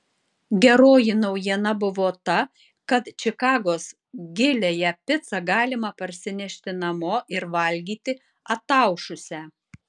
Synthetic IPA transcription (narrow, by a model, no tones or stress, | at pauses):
ɡʲɛɾoːjɪnɐʊjiɛnɐbʊʋoːt̪ɐ | kɐt̪t͡ʃʲɪkɑːɡoːs | ɡʲɪlʲeːjɛpʲɪt̪sɐɡɑːlʲɪmɐpɐɾʲsʲɪnʲɛʃʲt̪ʲɪnɐmoːʔɪɾʋɐlʲɡʲiːt̪ʲɪ | ɐt̪ɑˑʊʃʊsʲɛ